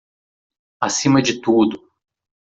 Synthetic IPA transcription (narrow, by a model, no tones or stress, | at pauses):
asĩmɐd͡ʒɪt̪ud̪ʊ